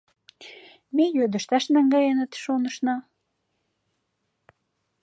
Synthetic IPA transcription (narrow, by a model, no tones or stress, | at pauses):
mejød̪ə̆ʃt̪æʃnɑŋɡɑjenə̆t̪ʃonə̆ʃnɑ